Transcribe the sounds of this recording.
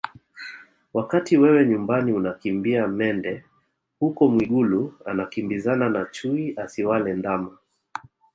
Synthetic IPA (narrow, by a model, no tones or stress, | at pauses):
wakatiwɛwɛɲumbaniunakimbiamɛndɛ | hukɔmwiɠuluanakimbizananat͡ʃuiʔasiwalɛndama